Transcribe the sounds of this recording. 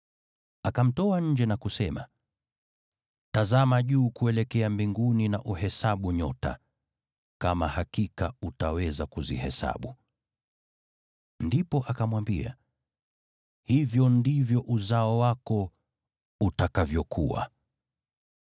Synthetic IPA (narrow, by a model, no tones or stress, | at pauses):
akam̩tɔaɲ̩d͡ʒɛnakusɛma̰ | tazamaʄuːkuɛlɛkɛambiŋɡunina̰ʔuɦɛsaɓuɲɔta̰ | kamahakikautawɛzakuzḭhɛ̰sa̰ɓu | ndipɔʔakamwambia̰ | hivjɔndivjɔʔuzaɔwakɔ | utakavjɔkṵwa̰